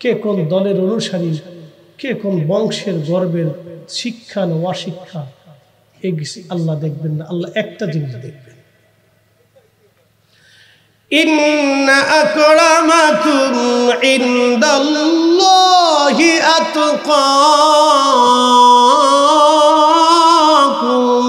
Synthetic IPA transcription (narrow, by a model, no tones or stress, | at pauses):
kekonod̪ɔleɾonuʃaɾi | kekonobɔŋʃeɾɡɔɾbeɾʃikʰːanwaʃikʰːa | eɡisɐlːad̪ek̚ʰbenːaʔɐlːaʔɛk̚ʈad͡ʑinid͡ʒd̪ek̚ʰben | inːaʔakɔɽamakumʕind̪alːɔɦiat̪uqɔ | kum